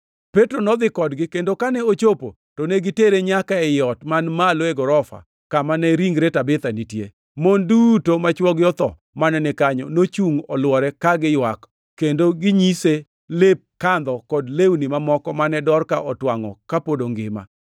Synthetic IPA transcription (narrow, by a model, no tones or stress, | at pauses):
petɾonɔd̪ɪkɔdɡɪkendokanɛot͡ʃopo̰ | toneɡɪteɾeɲakaɛjɔtmanmaloeɡɔɾɔfa̰ | kamanɛɾiŋɡɾetabɪt̪anitje | mondutomat͡ʃwɔɡjɔt̪ɔ | manɛnɪkaɲɔnot͡ʃuŋɔlwɔɾɛkaɡɪjwak | kːendoɡɪɲise | lep̚kand̪ɔkɔdlewnimamɔkɔmanɛdɔrkaʔɔtwaŋɔ̰kapodoŋɡɪma̰